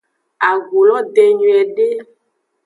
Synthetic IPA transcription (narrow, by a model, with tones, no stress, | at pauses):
a˨ɡo˨lɔ˦d̪e˨ɲũ˨ɛ˨ɖe˦